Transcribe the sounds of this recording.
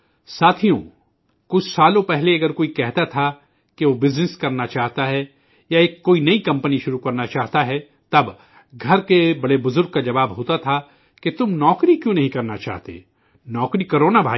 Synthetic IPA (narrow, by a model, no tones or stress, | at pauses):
saːt̪ʰijõ̰ | kʊt͡ʃʰsaːlõpɛɦleɐɡəɾkoːikɛɦt̪at̪ʰa | keʋobɪznɪskɐɾnat͡ʃaːɦt̪aɦɛ | jaeːkːoːinɐikɐ̃mpəniʃʊɾukɐɾnat͡ʃaːɦt̪aɦɛ | t̪ɐb | ɡʱɐɾkebɐɽebʊzʊɾɡ̚kad͡ʒɐʋaːbɦoːt̪at̪ʰa | ket̪ʊmnɔːkɾikjõːnɐɦĩkɐɾnat͡ʃa̰ːɦt̪ḛː | nɔːkɾikɐɾoːnabʱaː